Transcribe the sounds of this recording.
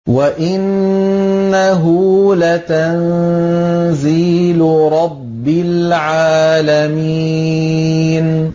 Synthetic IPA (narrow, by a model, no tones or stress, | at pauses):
waʔɪnː | aɦʊlat̪an | ziːlɾˤɑbːɪlʕaːlami | n